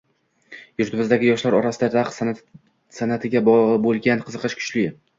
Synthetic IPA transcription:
jʊɾt̪ʰɪbɪzd̪aɡʲɪjɒʃlaɾɒɾasɪd̪ad̪aq | sanat̪ʰɪɡʲabolˠɡʲanqʰɨzɨqɨʃkʲʰʊ̥t͡ʃlɪ

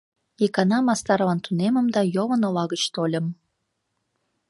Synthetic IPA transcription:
ekɑnɑmɑst̪ɑɾvɑnt̪unemə̆md̪ɑjoβənolɑɣət͡ɕt̪olʲəm

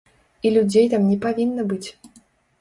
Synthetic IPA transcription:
ilʲud͡zʲejt̪amnʲɛpavʲinːɐbɨt͡sʲ

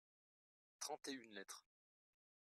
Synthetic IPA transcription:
t̪χɑ̃t̪eynlɛt̪χ

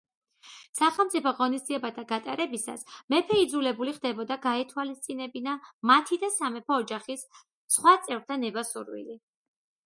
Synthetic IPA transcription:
saχɛlˠmt̪sʼipʰɔʁɔnisd̪ziɛbat̪ʰaɡat̪ʼaɾɛbisa̰smɛpʰɛid̪zulɛbuliχd̪ɛbɔd̪aɡaɛt̪ʰwalist̪sʼinɛbinamat̪ʰid̪asamɛpʰɔːd͡ʒaχisː | χwat̪sʼɛvɾt̪ʰanɛbasuɾwḭli

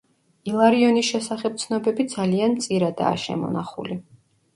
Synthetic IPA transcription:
ilˠaɾiɔnisʃɛsaχɛp̚t̪sʰnɔbɛbid̪zaliant̪sʼiɾad̪a̰ːʃɛ̰mɔ̰naχṵli

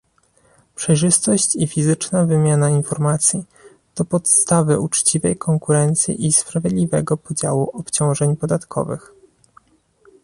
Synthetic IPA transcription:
pʂɛjʐɘst̪ɔɕt͡ɕifʲizɘt͡ʂnavɘmʲjanainfɔɾmat̪sʲji | t̪ɔpɔt̪st̪avɘut͡ʂt͡ɕivɛjkʰɔŋkuɾɛnt̪sʲjḭʔispɾavʲjɛd̪lʲivɛɡɔpɔd͡ʑawuʔɔpt͡ɕɔ̃w̃ʐɛɲpɔd̪at̪kʰɔ̰vɘ̰x

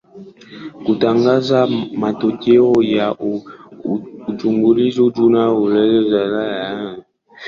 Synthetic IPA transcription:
kutaŋɡazamatoteɔja | ud͡ʒuŋɡulizud͡ʒunaulɛlɛzazaja

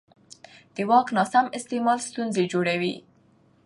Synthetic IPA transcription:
d̪̥əwɑknɑsamɪst̪emɑlst̪unzed͡ʒoɽawḭ

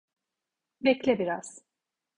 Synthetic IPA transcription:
bɛclʲɛbiɾaz̥

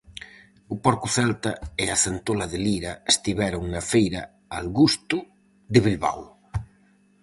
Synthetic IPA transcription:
ʊpoɾkʊθɛlt̪ɐɪaθent̪olaðeliɾɐest̪iβɛɾʊŋnɐfejɾɐ | alɣust̪ʊ | ðɪβilβa̰w

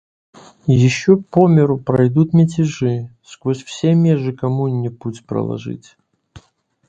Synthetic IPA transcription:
jɪɕːopomʲɪɾʊpɾɐjd̪ut̪mʲɪtʲɪʐɨskvosʲfsʲemʲeʐɨkɐmunʲːɪputʲpɾɐ̰lˠɐ̰ʐɨ̰tʲ

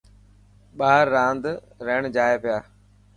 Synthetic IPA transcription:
ɓaːɾːãːnd̪ | ɾeːɳ̃d͡ʒaːepɪjaː

